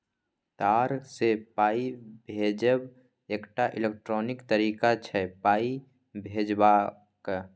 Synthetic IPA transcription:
t̪aːɾsepaːibʱeːd͡ʒəb | eːkʈaʔɪlek̚ʈɾɔːnɪkt̪əɾiːkat͡ʃʰɛpaːi | bʱeːd͡ʒbaː | k

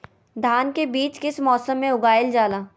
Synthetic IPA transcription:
d̪ʱaːnkebiːt͡ʃkɪsmɔːsəmːẽʊɡaːɪld͡ʒaːlaː

